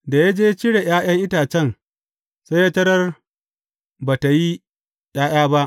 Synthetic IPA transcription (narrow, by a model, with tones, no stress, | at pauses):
da˨ja˦d͡ʒeː˦t͡ʃɪ˦ɽe˨j̰aː˦j̰ɐ˦ŋʔɪ˦taː˨t͡ʃɛ˦ŋ | sa˦jaː˦tɐ˦ɾɐ˦r | baː˨ta˨ji˦ | j̰aː˦j̰aː˦ba˦ʔ